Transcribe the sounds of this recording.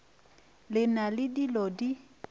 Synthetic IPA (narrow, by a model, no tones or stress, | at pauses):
lɪnalɪdilɔdi